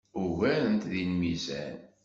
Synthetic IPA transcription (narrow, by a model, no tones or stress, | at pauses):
uɣæɾənt̪ðinmizæ̰n